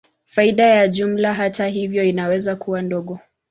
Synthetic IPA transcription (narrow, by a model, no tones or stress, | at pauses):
faiɗajaʄum̩laɦataɦivjɔinawɛzakuwandɔɠɔ